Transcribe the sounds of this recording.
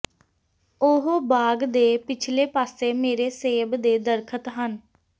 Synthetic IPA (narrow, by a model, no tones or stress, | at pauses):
ʊɦobaːɡd̪eːpɪt͡ʃʰleːpaːseːmeːɾeːseːbd̪eːd̪əɾkʰət̪ɦən